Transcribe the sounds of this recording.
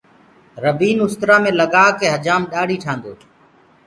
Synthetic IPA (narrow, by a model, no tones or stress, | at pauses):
ɾəʋiːnʊst̪ɾaːmẽːləɡaːkeːɦəd͡ʒaːmɗaːɽiːʈʰãːnd̪oː